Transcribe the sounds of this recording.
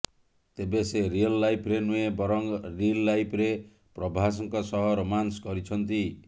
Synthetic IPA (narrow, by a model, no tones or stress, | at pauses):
t̪ebeseɾiɔlːajpʰɾenuebɔɾɔŋɾilːajpʰɾe | pɾɔbʱas̬ɔŋkɔsɔɦɔɾɔmanskɔɾit͡ʃʰɔnt̪i